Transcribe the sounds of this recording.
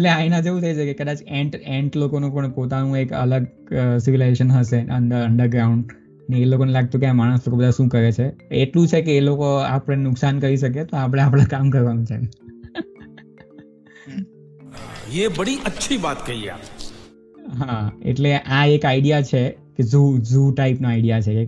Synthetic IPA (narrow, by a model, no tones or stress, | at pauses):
eleãinãd͡ʒeʋũt̪ʰəit͡ʃʰekekəd̪at͡ʃẽɳʈẽɳʈlokonũpəɳpot̪anũekə̰ləɡ̚ | sɪʋilad͡ʒeʃənɦəseə̰ɳɖ̪əɾəɳɖəɾɡɾauɳɖ | neːlokonelaɡ̚t̪okeãmaɽ̃əslokobəd̪ʱaʃũkəɾet͡ʃʰeeʈlũt͡ʃʰekeːlokoa̰pəɽ̃enʊksankəɾiʃək̬et̪oapɽ̃ẽap̬ɽ̃ãkamkəɾʋanũt͡ʃʰe | ebəɽiʔətːʃʰibat̪kəɦiḛa̰p | ɦãḛʈleʔaekaiɽijat͡ʃʰeked͡ʒud͡ʒuʈaipnaaiɖijat͡ʃʰeke